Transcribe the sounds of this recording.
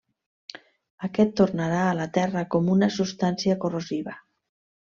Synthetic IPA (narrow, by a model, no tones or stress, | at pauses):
əkɛt̪ːornaɾaːlat̪ɛrəkomunəsust̪ansiəkoroziβə